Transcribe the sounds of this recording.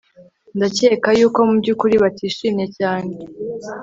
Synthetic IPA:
ndace̞ːkajuːko̞mubɟukuɾiβatʰiːʃiːmɲe̞caːne

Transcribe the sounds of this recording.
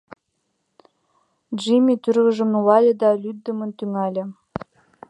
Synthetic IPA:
ʒimʲit̪yɾɣə̆ʒə̆mnulɑlʲə̆d̪ɑlʲyd̪̚ːə̆mə̆nt̪yŋælʲɘ̆

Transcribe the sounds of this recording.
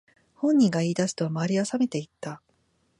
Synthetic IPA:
hõ̞ɲ̟ːĩŋɡaiːd̪asɨ̥t̪omaːɾʲiasame̞t̪e̞it̪ːa

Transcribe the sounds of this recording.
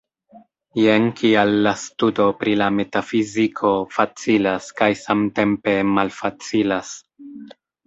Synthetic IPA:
jeŋkʰialːastudo̞pɾilame̞tafizikʰo̞fat͡silaskajsamte̞mpe̞malfat͡silas

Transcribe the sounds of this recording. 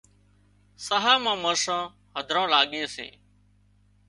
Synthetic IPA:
səɦaːmãːməɾsãː | ɦəd̪ʱɾãːlaːɠeːsḛː

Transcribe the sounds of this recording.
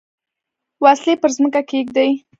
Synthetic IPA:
wɑslepəɾzməkakeɡ̚d̪aj

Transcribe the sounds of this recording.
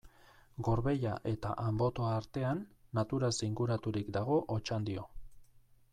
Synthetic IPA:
ɡo̞ɾβe̞ʎaʔe̞t̪a̰ʔambo̞t̪o̞aaːɾt̪e̞anːat̪uɾaziŋɡuɾat̪uɾikd̪aɣ̞o̞ʔot͡ʃand̪io̞

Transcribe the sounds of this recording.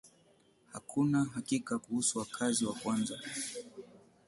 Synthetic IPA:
hakʰunaɦakikakuhusuwakʰaziwakwanza

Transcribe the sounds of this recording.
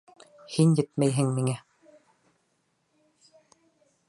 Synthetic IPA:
hinjɘ̆t̪̚mæjɦɘŋmiŋɛ

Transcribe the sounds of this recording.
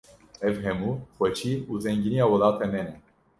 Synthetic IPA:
ɛvɦɛmuχwɛt͡ʃʰiuzɛŋɡinijawɔlaːt̪ʰɛmɛnɛ

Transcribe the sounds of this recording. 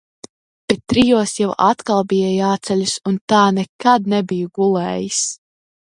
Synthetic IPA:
pɛt̪ːɾijuɔsjawʔat̪kalˠbijajaːt̪sɛlʲusunt̪aːnɛkad̪̚nɛbijuɡulˠɛːjis

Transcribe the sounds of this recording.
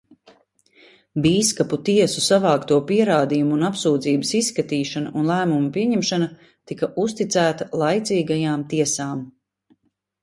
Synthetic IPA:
biːskaput̪iɛsusavɑːkt̪uɔpiɛɾaːd̪ijumuːnapsuːd̪ziːbəsisːkat̪iːʃanaʔunlˠæːmumupiɛɲɛmʃana | t̪ikɐʔust̪it̪sæːt̪alˠajt̪ziːɡajaːmt̪iɛsaːm

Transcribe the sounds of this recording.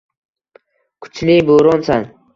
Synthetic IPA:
kʰʊ̥t͡ʃʰlɪboɾɒnsan

